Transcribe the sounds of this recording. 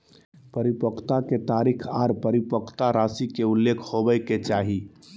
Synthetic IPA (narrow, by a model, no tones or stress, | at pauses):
pəɾipəkʰt̪aket̪aɾikʰaɾpəɾipəkʰt̪aɾasikeulːekʰhobəɪkːet͡ʃaɦi